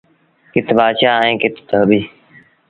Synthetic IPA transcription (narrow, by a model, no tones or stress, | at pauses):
kɪt̪ʰbaːʃaːɛẽːkɪt̪ʰt̪əɦbiː